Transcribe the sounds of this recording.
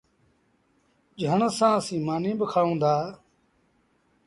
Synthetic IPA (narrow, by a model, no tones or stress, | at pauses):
d͡ʒəɳsãːsĩːmaːnĩːbəkʰaːũːnd̪aː